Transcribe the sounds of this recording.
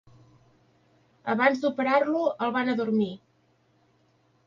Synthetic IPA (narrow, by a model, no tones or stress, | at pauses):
əβanzd̪upəɾarluəlˠβanəðuɾmi